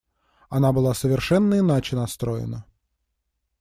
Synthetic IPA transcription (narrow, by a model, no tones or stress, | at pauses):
ɐnabɨlˠasəvʲɪrʂɛnːəɪnat͡ɕɪnɐst̪ɾojɪ̰nə